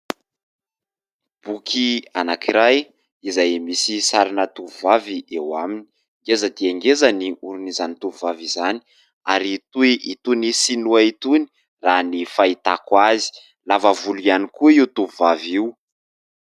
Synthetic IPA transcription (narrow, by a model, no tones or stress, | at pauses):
b̥ukʰianakiɾaj | izajmisisaɾinət̪uvuvaviʔewamini̥ | ŋɡezəd̪iaŋɡezəniuɾunizanit̪uvuvavizani̥ | a̰ɾit̪uiʔit̪unisinuait̪uni̥ | ranifait̪akwazi̥ | lavəvulujanikuiut̪uvuvaviw